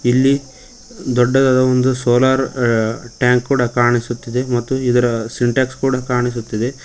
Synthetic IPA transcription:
ilːi | d̪ɔɖːɐd̪ɐd̪ɐond̪usoːlaːɾ | ʈjaːŋkkːuːɽɐkaːɾɳisut̪ːid̪e̞mɐt̪ːuid̪ɐɾɐsiɳʈaːkskuːɽɐkaːɾɳis̬ut̪ːid̪e

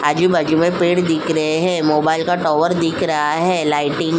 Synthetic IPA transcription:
ad͡ʒubɐd͡ʒumẽpeːɽd̪ɪkʰɾɐɦeɦɛ̃moːbaːɪlkaʈɔːʋəɾd̪ɪkʰɾɐɦaɦɛːlaːɪʈɪ̃ŋ

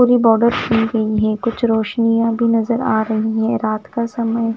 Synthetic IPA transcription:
uːɾibɔːɾɖəɾkʰiːɡɐiɦɛ̃kʊt͡ʃʰɾoːʃnijãbʱinɐzəɾa̰ːɾɐɦiɦɛ̃ɾaːt̪kasɐməj

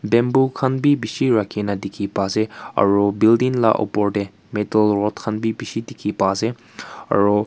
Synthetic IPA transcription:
bɛmbukʰɐnbibisiɹakʰːinadikʰipazea̰ɹubildiŋla̰ʔɔ̰pɔɹde | metəlɹɔt̚kʰanbibisidikʰipaze | a̰ɹu

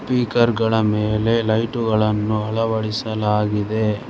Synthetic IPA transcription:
piːkɐɾɡɐɭɐmeːle̞lɐjʈuɡɐɭɐnːuɐɭɐʋɐɭisɐlaːɡid̪e̞

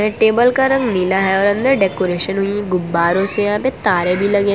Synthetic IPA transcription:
ɛ̃ʈeːbəlkaɾɐ̃ŋɡnilaɦɛɔːɾɐ̃nd̪əɾɖɛːkoːɾeːʃənɦʊiɡʊbːaːɾõsejɐãːpet̪aːɾebʱilɐɡeː

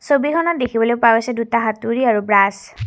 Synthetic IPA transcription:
sobikʰɔnɔt̚dekʰibɔlojpabasɛdutaɦatuɹiaɹubɹas

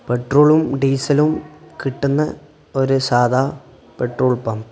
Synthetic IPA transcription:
pɛʈɾoːlɯmɖiːsɐlɯmkɪʈːɯnːɐ | ɔɾɯsaːðaː | pɛʈroːɭpːam

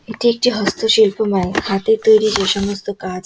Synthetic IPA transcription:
it̪ʰiek̚t͡ɕiɦəst̪ʰəɕilpəmajhat̪et̪əjɾid͡ʑeɕəməst̪əkad͡z

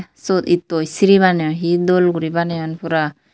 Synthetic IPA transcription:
sɔt̪it̪ɔisiɾiβaneɔɦid̪ɔlɡuɾibaneanpuɾa

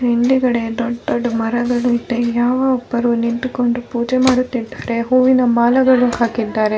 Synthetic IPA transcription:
ɦeɳɖiɡɐɽe̞d̪ɔɖdoɖːmɐɾɐɡɐɭuid̪ejaːʋɐɔpːɐɾuniɳʈuko̞ɳɖupuːd͡ʒemaːɽut̪ːid̪ːaːɾe̞ɦuːʋinɐmaːlɐɡɐɭuhaːkid̪ːaːɾe̞

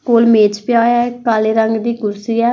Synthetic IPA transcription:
koːlmeːt͡ʃpɪjaːjaːkaːleːɾəŋɡd̪iːɡʊɾsiːɛː

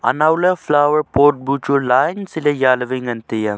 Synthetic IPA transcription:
ɐ̰nawlɐflaːʋəɾpoːʈ̚but͡ʃulaːjnsilejaːlɐʋiŋɡɐnt̪ijɐ

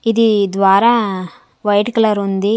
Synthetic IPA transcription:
id̪id̪ʋaːɾaː | ʋɐjʈklɐɾund̪i

